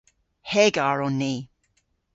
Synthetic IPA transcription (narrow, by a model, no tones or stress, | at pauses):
hɛɡaɹɔnːiː